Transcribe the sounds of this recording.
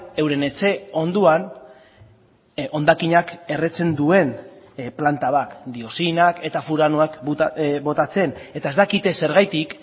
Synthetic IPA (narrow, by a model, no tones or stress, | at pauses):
ewɾe̞ne̞t͡se̞o̞nd̪uan | o̞nd̪akiɲake̞re̞t͡se̞nd̪ue̞n | plant̪aβakd̪io̞sinake̞t̪afuɾanuakbo̞t̪at͡se̞ne̞t̪ae̞zd̪akit̪e̞se̞ɾɣ̞ajt̪ik